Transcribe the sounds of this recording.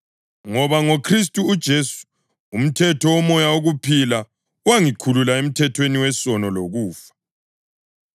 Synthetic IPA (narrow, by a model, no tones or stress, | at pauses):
ŋɔβaŋokʰris̬tʼuːd̥ʒ̥ʱesu̥ː | m̩tʰɛtʰɔwɔmɔjaoɣupʰila | uwaŋikʰululaem̩tʰɛtʰweniwɛsɔnɔloɣuːfḁ